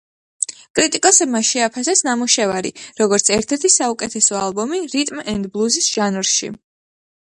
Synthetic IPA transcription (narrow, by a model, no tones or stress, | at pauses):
kʼɾit̪ʼikʼɔsɛbmaʃɛapʰasɛsnamuʃɛvaɾḭɾɔɡɔɾt̪sʰɛɾt̪ʰɛɾt̪ʰisaukʼɛt̪ʰɛsɔalˠbɔmiɾit̪ʼmɛnd̪blˠuzisʒ̥anvɾʃḭ